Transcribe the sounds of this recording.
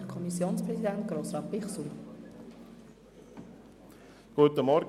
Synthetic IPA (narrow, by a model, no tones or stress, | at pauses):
kʰɔmisjoːnspɾɛsid̪ænt̪ɡ̥ɾoːsɾɑːpɪχsu | ɡ̥uət̪əmɔɾ